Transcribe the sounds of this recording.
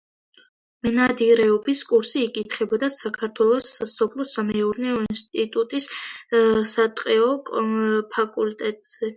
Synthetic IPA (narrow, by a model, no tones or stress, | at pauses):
mɛnad̪iɾɛɔbiskʼuɾsiːkʼit̪ʰχɛbɔd̪asakʰaɾt̪ʰwɛlˠɔsasɔpʰlˠɔsamɛuɾnɛɔinst̪ʼit̪ʼut̪ʼis | sat̪ʼqʼɛɔkʼpʰakʼult̪ʼɛt̪ʼz̥ɛ